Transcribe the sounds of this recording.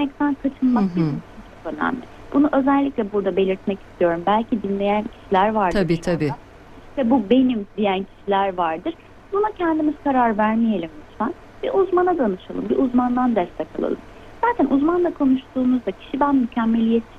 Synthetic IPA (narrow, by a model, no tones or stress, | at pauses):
mɛc̚t̪ʰænkʰat͡ʃʰɯnmakbit͡ʃʰint͡ʃʰokø̞næ̰mlʲɪ̰ | b̥unuʔø̞zɛlʲːicʲlʲɛbuɾd̪abe̞lʲiɾt̪mɛci̥st̪ʰijo̞ɾumbælʲcʰid̪inlʲe̞jæncʰi̥ʃilʲæɾvaɾd̪ʰɯiːɾt̪ʰabi | iʃt̪ɛbube̞nimd̪ijæncʰi̥ʃilʲæɾvaɾd̪ɯɾ̥ | bunacʰɛnd̪imiz̥kʰaɾaɾvæɾmije̞lʲimit̪sæn | bɛ̰ʔuzmanad̪anɯʃalˠɯ̰mbḭʔuzmand̪and̪ɛst̪ʰɛkʰa̰lˠa̰lˠɯ̰m | z̥aːt̪ʰænʔuzmanlˠakʰo̞nuʃt̪uːnuzd̪acʰi̥ʃibænmycʰɛmːe̞lʲijet̪ʰi